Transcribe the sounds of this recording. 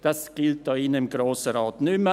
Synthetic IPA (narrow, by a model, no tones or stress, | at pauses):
d̪̥ɛskɪlt̪̚d̪ɑːɪnːəɪmɡɾoːsəɾɑːt̪nʉmə